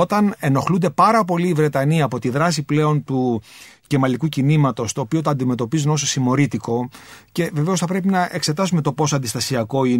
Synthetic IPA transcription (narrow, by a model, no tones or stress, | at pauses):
ot̪ɐne̞no̞xlund̪e̞pɐɾɐpo̞liːvɾe̞t̪ɐniɐːpo̞t̪iðɾɐsiple̞o̞nt̪uce̞mɐlikucinimɐt̪o̞st̪o̞ːpio̞t̪ɐːnd̪ime̞t̪o̞pizuno̞so̞simo̞ɾit̪iko̞ce̞ve̞ve̞o̞sθɐpɾe̞pinɐʔe̞kse̞t̪ɐsume̞t̪o̞po̞soɐnd̪ist̪ɐsiɐko̞i